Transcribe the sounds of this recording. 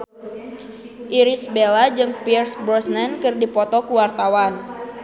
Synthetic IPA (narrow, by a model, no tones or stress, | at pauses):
ʔiɾisbelad͡ʒɨŋpirsbɾɔsnɛnkɨrdipɔt̪ɔkuwart̪awan